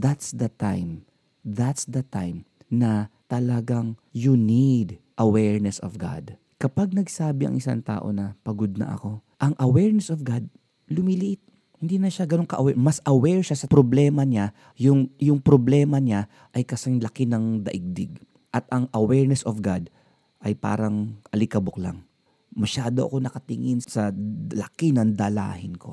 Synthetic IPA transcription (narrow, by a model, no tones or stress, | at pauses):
d̪at̪sd̪ɐt̪ajm | ðat̪sd̪ɐt̪ajm | nɐt̪ɐlɐɡaŋjunid̪ | ʔɐwɛɹnɛsɔvɡa̰d̪ | kɐpaɡ̚nɐɡsaːbɪɐ̰ŋʔɪsa̰ŋt̪a̰ːʔo̞̰nɐpɐɡod̪̚nɐ̰ʔɐ̰ko̞ʔɐŋʔɐwɛɹnɛsovɡad̪̚ | lʊmilɪʔɪt̪̚ | hɪnd̪inɐʃaɡɐnoŋkɐʔɐwɛmɐsɐwɛɹʃasɐpɾoblɛːmɐɲa | jʊŋjʊŋpɾoblɛːmɐɲa | ʔɐjkɐsɐŋlɐkɪnɐŋd̪ɐ̰ʔɪɡ̚d̪ɪɡ̚ | ʔɐt̪ɐŋʔɐwɛɹnɛsofɡad̪̚ | ʔɐjpa̰ːɾɐŋʔɐlɪkɐboklɐ̰ŋ | mɐʃaːd̪oʔɐ̰ko̞nɐkɐt̪ɪŋɪnsɐlɐkɪnɐnd̪ɐla̰ːhɪnkʰo̞̰